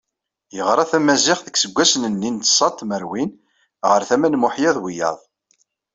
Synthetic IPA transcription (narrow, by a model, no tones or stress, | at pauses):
jəʁɾˤɑθæmæzɪχðəksəɡʷːæsnənːint̪sˤɑt̪ˤːməɾwin | ʁəɾθæmænmʊħjɑðˤwijɑ̰ðˤ